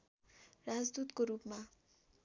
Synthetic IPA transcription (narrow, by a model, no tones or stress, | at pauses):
rad͡zd̪ut̪koɾupma